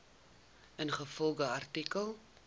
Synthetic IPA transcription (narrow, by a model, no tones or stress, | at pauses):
ənχəfɔlˠɡəɐrtikəlˠ